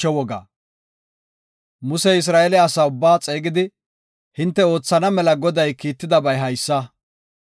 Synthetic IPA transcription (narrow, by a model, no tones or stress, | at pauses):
ɛwɔɡa̰ː | mʊsɛɪs̬ɾaːʔelɛɐsaʊbːaːt͡sʼe̞ːɡɪd̪ɪ | hɪnt̪ːɛo̞ːt͡sːɐnɐmɛlɐɡɔd̪ɐjkiːt̪ːɪd̪ɐbɐjɦɐjsːɐ